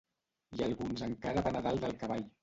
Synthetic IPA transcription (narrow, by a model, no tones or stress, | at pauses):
ialˠɣunzəŋkaɾəβanaðalˠd̪əlˠkəβaʎ